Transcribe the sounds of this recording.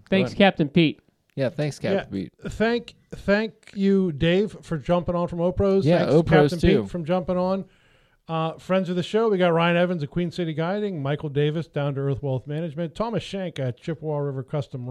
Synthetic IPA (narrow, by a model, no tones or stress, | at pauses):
θæ̃ŋskʰæp̚tɨ̃npit̚ | jæθæ̃ŋkskʰæjæḭt̚θæ̃ŋk | θæ̃ŋkjɨdeɪv̥fə˞d͡ʒʌ̃mpɪ̃ŋə̃nfɹʌ̃moʊpʰɹoʊz̥ææ̃ŋsokææptn̩ʰitfɹʌ̃md͡ʒʌ̃mpɪ̃ŋə̃n | fɹɛ̃ndz̥ə˞ðɨʃoʊwiɡɑt̚ɹaɪɨ̃nɛvɨ̃nzɨkʰw̥ĩnsɪɾiɡaɪɾɪ̃ŋmaɪkl̩ˠdeɪvɨsd̥ãʊ̃ndɨɜ˞θwɛlˠθmænɨd͡ʒmɨ̃ntʰɑmɨsʃæ̃ŋkɨt̚t͡ʃʰɪpwɔɹɪvə˞kʰʌstə̃m